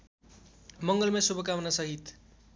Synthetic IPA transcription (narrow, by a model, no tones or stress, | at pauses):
mʌŋɡʌlmasubʌkawnasʌɦit̪